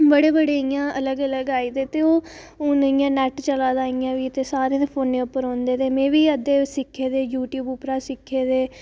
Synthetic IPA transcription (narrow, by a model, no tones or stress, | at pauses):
bəɽeːbəɽeːjãːʔələɡələɡaːiːd̪eːt̪eːoː | onːjãːnɛːʈt͡ʃəlaːd̪aːijãːʋiːt̪eːsaːɾẽd̪eːpʰoːnẽːʊpːəɾɔ̃ːnd̪eːd̪eːmẽːʋiːəd̪eːsɪkʰːeːd̪eːjuːʈjuːbʊpɾaːsɪkʰːeːd̪eː